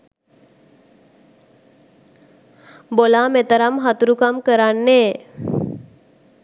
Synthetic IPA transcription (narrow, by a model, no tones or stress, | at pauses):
bolamet̪əɾamɦat̪uɾukamkəɾanːe